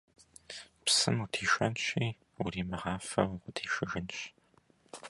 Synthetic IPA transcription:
psɨmutʰiːʃʷɐnɕiː | ʊriːmɐʁɑːfɐ̰wqʷʊtʰiːʃɨɣɨnɕ

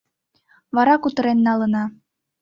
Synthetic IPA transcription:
βɑɾɑkut̪ɤ̆ɾenːɑlə̆nɑ

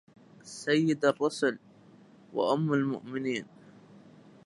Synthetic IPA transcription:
sajːɪd̪ɑrˤːʊsʊl | wa̰ʔʊmːalmʊ̰ʔmɪniːn

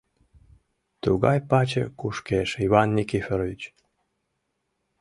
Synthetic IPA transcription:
t̪uɣɑjpɑt͡ɕə̰kuʃkeʃiβɑnːʲikifʲeɾovʲit͡ɕ

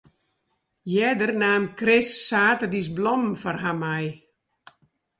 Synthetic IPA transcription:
jɛdərnaːmkrɪsːaːtərdisblɔmfɔrhamaj

